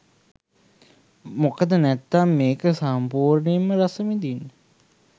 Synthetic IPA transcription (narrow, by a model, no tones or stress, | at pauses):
mokəd̪ənæt̪ːamːeːkəsampuːɾnejəməɾasəmid̪inːə